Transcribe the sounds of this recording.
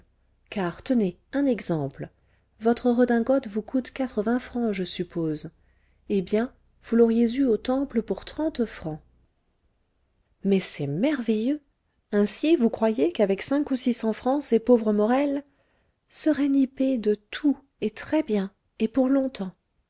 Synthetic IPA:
kaʁt̪əne | ɛ̃nɛɡzɑ̃pl | vɔt̪χəʁəd̪ɛ̃ɡɔt̪vukʰut̪kat̪χəvɛ̃fχɑ̃ʒəsypoz | ebjɛ̃ | vulɔʁjezyot̪ɑ̃pləpuʁt̪χɑ̃t̪fχɑ̃ | mɛsɛmɛʁvejø | ɛ̃sivukχwajekavɛksɛ̃kusisɑ̃fχɑ̃sepovʁəmɔʁɛl | səʁɛniped̪ət̪ʰu | et̪χɛbjɛ̃ | epuʁlɔ̃t̪ɑ̃

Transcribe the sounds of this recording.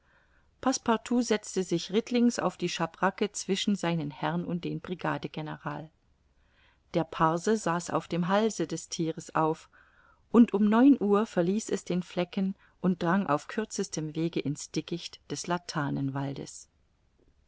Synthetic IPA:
pʰaspaɐtʰuːzɛt͡stəzɪçʁɪtʰlɪŋsa̰ʊfd̥iːʃabʁakət͡sv̥ɪʃn̩zaɪnənhɛʁnʊnt̚d̥eːnbʁiɡa̰ːdəɡenəʁaːl | d̥eːɐpʰaɐzəzaːsa̰ʊfd̥eːmɦalzədɛstʰiːʁəsʔaʊf | ʔʊntʔʊmnɔʏnʔuːɐfɛɐliːsɛsd̥eːnflɛkən | ʔʊnt̚d̥ʁaŋʔa̰ʊfkʰʏɐt͡səstʰəmveːɡəʔɪnsd̥ɪkɪçtd̥ɛslatʰaːnənvaldə̰s

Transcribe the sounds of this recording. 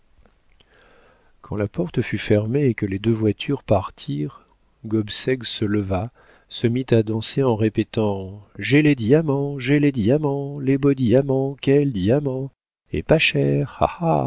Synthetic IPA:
kʰɑ̃lapɔʁt̪əfyfɛʁmeːkəled̪øvwat̪ʰyʁpaʁt̪ʰiʁ | ɡɔbsɛɡsələva | səmit̪ad̪ɑ̃seɑ̃ʁepet̪ɑ̃ʒeled̪iamɑ̃ʒeled̪iamɑ̃lebod̪iamɑ̃kʲɛld̪iamɑ̃ | ḛpaʃɛʁa̰ha̰

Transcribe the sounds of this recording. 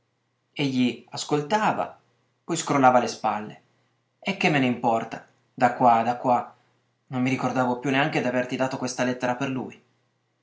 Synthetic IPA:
eʎːiaskolt̪aːva̰ | pɔjskɾolːaːvalespalːe | ɛkːemːeneimpɔrt̪a | d̪akːwad̪akːwa | nomːiɾikord̪aːvopjunːeaŋk̟ed̪iavert̪id̪aːt̪okwest̪alɛt̪ːeɾaperlṵj

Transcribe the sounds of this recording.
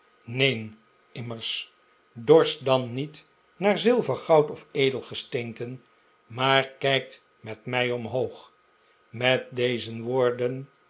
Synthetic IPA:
nejn | ɪməɹs | dɔɹstdɑnːit | naːɹzɪlˠvəχɑwtɔfejdəlˠχəstejntən | maːɹkɛjk̚t | mɛtmɛjɔmɦowχ | mɛt̚dejzənʋʊːɹdən

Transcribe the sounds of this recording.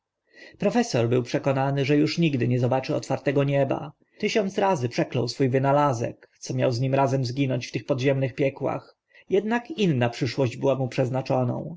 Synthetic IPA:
pɾɔfɛsɔɾbɘwpʂɛkɔnanɘʐɛjuʂɲiɡd̪ɘɲɛzɔbat͡ʂɘɔ̰t̪faɾt̪ɛɡɔɲɛba̰ | t̪ɘɕɔnt̪sɾazɘpʂɛklɔ̰̃wsfujvɘnalazɛ̰kt̪sɔmʲja̰wzɲimɾazɛmzɡʲinɔɲt͡ɕft̪ɘxpɔd̪ʑɛmnɘxpʲjɛkwa̰x | jɛd̪nakinːapʂɘʂwɔʑd͡ʑbɘwamupʂɛznat͡ʂɔnɔ̰̃w̃

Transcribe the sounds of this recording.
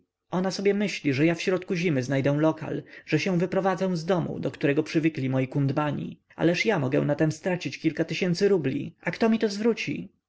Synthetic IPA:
ʔɔnasɔbʲjɛmɘɕlʲiʐɛjafɕɾɔt̪kuʑimɘznajd̪ɛw̃lɔka̰lʐ̥ɛɕɛ̃w̃vɘpɾɔvad̪zɛw̃zd̪ɔmṵd̪ɔkt̪uɾɛɡɔpʂɘvɘklʲimɔjikund̪maɲḭ | a̰lɛʂjamɔɡɛ̰̃nat̪ɛmst̪ɾat͡ɕit͡ɕkʲilkat̪ɘɕɛnt̪sɘɾublʲḭʔakt̪ɔmʲit̪ɔzvɾut͡ɕḭ

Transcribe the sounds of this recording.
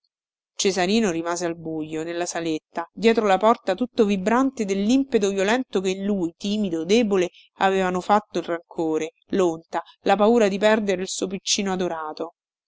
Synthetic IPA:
t͡ʃezaɾiːnoɾimaːzealbujːonelːasalet̪ːad̪jɛːt̪ɾolapɔrt̪at̪ut̪ːovibɾant̪ed̪elːimpet̪̬ovjolɛnt̪okeinlujt̪iːmid̪od̪eːbole | aveːvanofat̪ːoilraŋkʰoːɾe | lont̪alapauːɾad̪ipɛrd̪eɾeilsuopit͡ʃːiːnoad̪oɾaːt̪o

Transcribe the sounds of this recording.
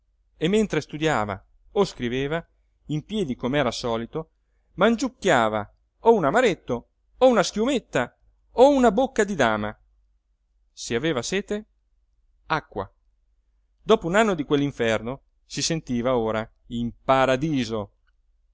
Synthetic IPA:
emːent̪ɾest̪ud̪jaːva̰ | oskɾiveːva | impjɛːd̪ikomeɛːɾasɔːlit̪o | mand͡ʒukːjaːva̰ | ounamaɾet̪ːo | ounaskjumet̪ːa | ounabokːad̪id̪aːma | siaveːvasɛːt̪e | akːwa̰ | d̪ɔːpounanːod̪ikwelːiɱfɛrno | sisent̪iːvaoːɾa | impaɾad̪iːzo

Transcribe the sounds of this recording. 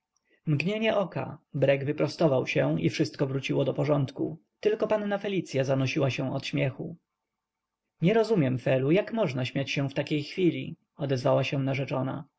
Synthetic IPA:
mɡɲeɲɛʔɔka̰bɾɛɡvɘpɾɔst̪ɔvawɕɛ̃ifʂɘst̪kɔvɾut͡ɕiwɔd̪ɔpɔʐɔnt̪ku | t̪ɘlkɔpanːafɛlʲit̪sʲjazanɔɕiwaɕɛ̃ɔt̪ɕmʲjɛxu | ɲɛɾɔzumʲjɛmfɛlujakmɔʐnaɕmʲjat͡ɕɕɛ̃ft̪akʲejxfʲilʲḭ | ɔd̪ɛzvawaɕɛ̃naʐɛt͡ʂɔna̰

